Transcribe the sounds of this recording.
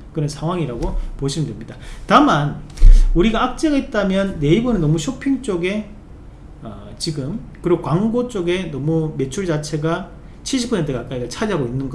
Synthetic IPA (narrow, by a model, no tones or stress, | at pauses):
kɯɾʌnsʰaŋɦwaŋiɾaɡopoɕʰimɯndwemɲidatamanuɾiɡaːk̚t͡ɕ͈e̞ɡait̚t͈amjʌnːe̞ibonɯnːʌmuɕʰopʰiŋt͡ɕ͈oɡe̞ | ʌt͡ɕiɡɯmkɯɾiɡokwaŋɡot͡ɕ͈oɡe̞nʌmume̞t͡ɕʰuɭd͡ʑat͡ɕʰeɡa | t͡ɕʰiɭɕ̬ʰipʰosʰentʰɯkak͈aiɾɯɭt͡ɕʰad͡ʑiɦaɡoinːɯnɡʌ